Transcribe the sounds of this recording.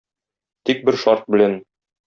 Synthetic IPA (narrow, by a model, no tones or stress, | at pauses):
t̪ik̚bɘɾʃɒɾt̪̚bɘ̆læn